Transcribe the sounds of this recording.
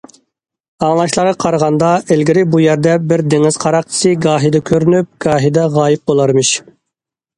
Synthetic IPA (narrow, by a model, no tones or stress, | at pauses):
ɑŋlˠɑʃlˠɑɾɑqʰɑɾʁɑnd̪ɑʔɪlɡʲɪɾɪbujɛɾd̪ɛbɪɾd̪eŋɪz̥qʰɑɾɑq̚t̪ʰɪ̥sɨɡɑːɦid̪ɛkʲʰøɾynyp̚ɡ̥ɑːɦid̪ɛʁɑːjɪp̚bolˠɑɾmɨʃ